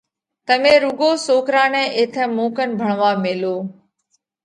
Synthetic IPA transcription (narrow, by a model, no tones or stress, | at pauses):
t̪əmẽːɾʊɡoːsoːkɾaːnɛ̃ːʔeːt̪ʰɛ̃ːmoːkən̆bʱəɳ̃ʋaːmeːloː